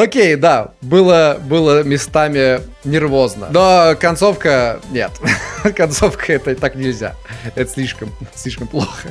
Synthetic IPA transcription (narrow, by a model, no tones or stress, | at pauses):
okʲejd̪abɨlˠəbɨlˠəmʲɪst̪amʲɪ | nʲɪrvo̞znə̰nokɐnt̪sofkənʲet̪kɐnt̪sofkəɛt̪ət̪aknʲɪlʲzʲa̰ɛt̪əsʲlʲiʂkəmsʲlʲiʂkəmplˠoxə